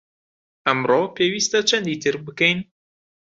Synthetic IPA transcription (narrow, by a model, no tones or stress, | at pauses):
ʔæmɾopeːwiːst̪æt͡ʃʰænd̪it̪ʰɨɾbɨkɛjn